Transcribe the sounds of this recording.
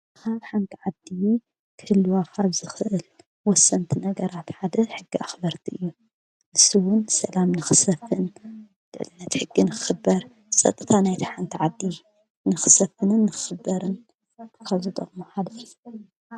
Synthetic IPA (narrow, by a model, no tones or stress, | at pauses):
kʰaβħant̪ʰiʕad̪i | kʰɨlːuwakʰaβzɨxɨʔɨl | wɔsːɐnt̪ʰinɐɡɐɾat̪ħad̪ɐħɨɡːiaxbɐɾt̪ʰiʔɨjːu | ʔɨsiwʊnsɐlamnɨxɨsɐfɨn | lɨ̰ʕlɨnːɐt̪ħɨɡːinɨxɨ̥xɨbːɐɾ | sʼɐ̰t̪ʼɨt̪ʰanajt̪ʰiħant̪ʰiʕad̪ːi | nɨxɨ̥sɐfɨnɨnːɨxɨ̥xɨbːɐɾɨn | kʰaβzɨt̪ʼɐ̰χʼmuħad̪ɐfju